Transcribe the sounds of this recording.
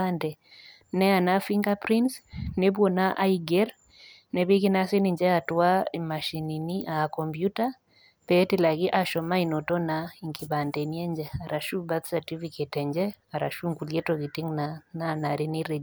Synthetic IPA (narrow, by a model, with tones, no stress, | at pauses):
andɛ˨ | nɛ˦a˨na˦fi˦ŋɡa˦pɾi˦nsne˦bwɔ˨na˦ʔaiɡɛ˦ɾ | nɛ˨βi˦ki˦na˦si˦ni˨ɲd͡ʒɛ˦a˨twa˦i˨ma˨ʃi˨ni˨ni˦ʔa˨kɔ˨mpju˦ta | pɛː˦tila˨ki˦ʔa˨ʃɔ˨ma˦i˨nɔ˨tɔ˦nai˨ŋki˨ba˨ndɛ˨ni˦ɛ˦ɲd͡ʒɛ˦a˨ɾa˨ʃu˦ba˦t̪sati˦fiketɛ˨ɲd͡ʒɛ˦ | a˨ɾa̰˨ʃu˦ŋku˨ljɛ˦tɔki˨ti˦ŋnanana˨ɾi˦ni˦ɾɛ˨